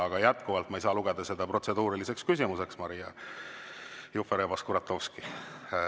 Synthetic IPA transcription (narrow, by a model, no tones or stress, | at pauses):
ɑɡ̥ɑjæt̪kuvɑlt̪mɑejsɑːluɡ̥e̞d̪̥ɑse̞d̪̥ɑpro̞t̪se̞d̪uːɾilise̞kskys̬ʲimuse̞ksmɑɾijɑ | jufeɾebɑskuɾɑt̪ːovski